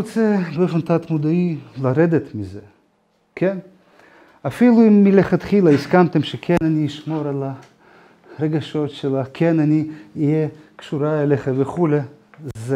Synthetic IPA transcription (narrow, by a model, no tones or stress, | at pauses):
ot͡sebeofent̪at̪mud̪ailaɾed̪et̪mize | kʰen | afiluimːileχat̪χilaiskamt̪emʃekʰenaniːʃmo̞ɾala | ɾeɡaʃo̞t̪ʃelakʰenaniːjjekʃuɾaeleχaveχulez